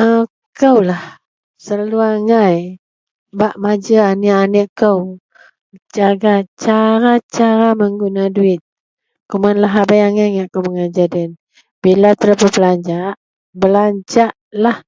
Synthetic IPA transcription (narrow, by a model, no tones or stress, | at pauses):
ə | kəwlah | səlaluaŋaj | baʔmad͡ʒəaniʔaniʔkəw | d͡ʒaɡat͡ʃaɾat͡ʃaɾaməŋɡunaduɪt̪̚ | kumanlaɦabajaŋajŋaʔkəwməŋad͡ʒadɛn | b̥ilat̪əɾəpəbəlaɲd͡ʒaʔ | bəlaɲd͡ʒaʔlah